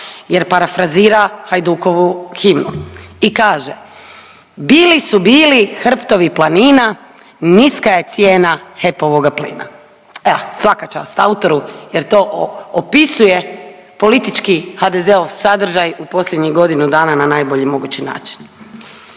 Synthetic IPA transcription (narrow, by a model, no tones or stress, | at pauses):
je̞ɾpaɾafɾaziːɾahajd̪uko̞ʋuximnuikaːʒḛ | biːlisubiːlixr̩pt̪o̞ʋiplˠaniːna | niskaje̞t̪sje̞ːnaxe̞po̞ʋo̞ɡaplḭːna̰ | sʋakat͡ʃa̰ːst̪aut̪o̞ɾuje̞ɾt̪o̞ːʔopisuje̞ | po̞lit̪it͡ʃkixad̪ezeo̞ʋsad̪r̩ʒajupo̞slʲjed̪ɲiɡo̞d̪inud̪aːnananaːjboʎimo̞ɡut͡ɕina̰ːt͡ʃi̥n